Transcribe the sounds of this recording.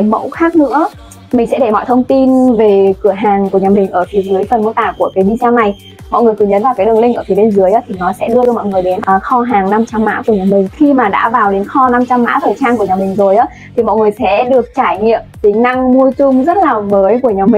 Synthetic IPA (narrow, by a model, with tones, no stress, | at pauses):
jmə̰˧˥wxaː˦˥k̚nɨ̰˧˥ə | mï̟˨˩sɛ̰˧˥ɗe˧˩mɔ̰˧˨jt̪ʰə˧wŋ͡mt̪i˧nve˨˩kɨ˧˩əɦaː˨˩ŋku˧˩ɲaː˨˩mï˨˩ŋ̟ʔəː˧˩fi˨˦zɨ˨˦jfə˨˩nm̚˧˥t̪a̰ː˧˩wku˧˩əkaː˨˦jɗḭ˧t͡ɕaː˧wna˨˩j | mɔ̰˧˨jŋɨ˨˩əjkɨ˨˩ɲə˨˦nvaː˨˩wkaː˨˦ɗɨ˨˩əŋlï˧ŋʔəː˧˩fʰi˨˦ɗe˧nzɨ˨˦əjʔaː˨˦t̪ʰi˨˩nɔ˨˦sɛ̰˧˥ɗɨ˧zɨ˧mɔ̰˧˨jŋɨ˨˩əjɗe˨˦nʔːxɔ˧ɦaː˨˩ŋna˧mt͡ɕa˧mːa̰ː˧˥ku˧˩əɲaː˨˩mï˨˩ŋ̟xi˧maː˨˩ɗa̰ː˧˥vaː˨˩wɗe˨˦nxɔ˧na˧mt͡ɕa˧mːa̰ː˧˥t̪ʰəː˨˩jt͡ɕaː˧nku˧˩əɲaː˨˩mï˨˩ŋ̟zo˨˩jʔaː˨˦ | t̪ʰi˨˩mɔ̰˧˨jŋɨ˨˩əjsɛ̰˧˥ɗɨ˨˩ək̚t͡ɕaː˧˩jɲḭ˧˨əmt̪i˨˦ŋ̟na˧ŋmu˧ət͡ɕʊ˧ŋ͡mzə˦˥t̚laː˨˩məː˨˦jku˧˩əɲaː˨˩wmï˨ŋ